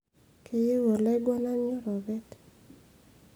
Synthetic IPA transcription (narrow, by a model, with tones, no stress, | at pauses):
kʰe˦je˦wo˨lɛ˦ɡwa˦na˦ɲɔ˦ɾɔ˨βɛ˦t